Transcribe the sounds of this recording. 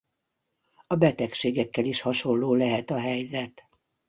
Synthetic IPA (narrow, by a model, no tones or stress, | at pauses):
ɒbɛt̪ɛkʃeːɡɛkːɛliʃhɒʃo̞lloːlɛɦɛt̪ɒɦɛjzɛt̪